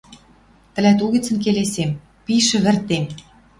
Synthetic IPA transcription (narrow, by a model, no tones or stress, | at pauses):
t̪ɘ̆læt̪uɣĭt͡sə̆nk̬elesem | piʃɘ̆βɘ̆rt̪em